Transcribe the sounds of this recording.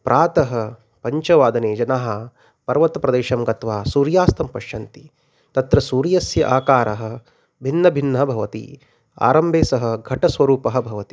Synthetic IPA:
pɾʔaːt̪ɐɦɐ | pɐɲt͡ʃɐʋaːd̪ɐneːd͡ʒɐnaɦɐ̆ | pɐɾʋɐt̪ɐpɾɐd̪eːʃɐmɡɐt̪ʋaːsuːɾjaːst̪ɐmpɐʃjɐnt̪i | t̪ɐt̪ɾɐsuːɾjɐsjɐ̰ʔaːkaːɾɐɦɐ̆ | bʱinːɐbʱinːɐɐbʱɐʋɐt̪ḭ | a̰ːɾɐmbʱeːsɐɦɐ̆ɡʱɐʈɐsʋɐɾuːpɐɦɐ̆bʱɐʋɐt̪i̥

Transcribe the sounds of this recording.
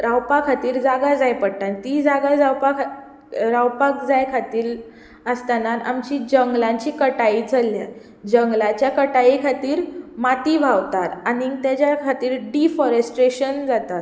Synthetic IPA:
ɾawpakʰat̪iːɾd͡zaɡad͡zajpəɽt̪ant̪id͡zaɡad͡zawpak | ɾawpak̚d͡zajkʰat̪iːɾ | əst̪anana̰mt͡ɕiːd͡ʑəŋɡlãɲt͡ɕiːkəʈaid͡zʱəlja | d͡ʑəŋɡlat͡ɕjakəʈaikʰat̪iːɾmat̪iːbʱawt̪at̪anit̪jat͡ɕjakʰat̪iːɾɖifɔɾəsʈɾeɕənd͡zat̪at̪

